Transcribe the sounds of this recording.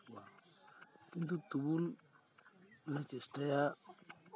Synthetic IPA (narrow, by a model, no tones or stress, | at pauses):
wa | kint̪ut̪ubul | nat͡ʃesʈaja